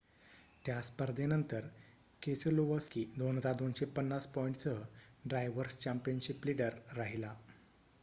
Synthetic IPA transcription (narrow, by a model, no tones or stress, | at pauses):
t̪jaspəɾd̪ʱenənt̪əɾ | kesəloʋəskid̪onɦəd͡zaɾd̪onɕepənːaspɔiɳʈt͡səɖɾajʋəɾst͡ɕampijənɕipliɖəɾːaɦila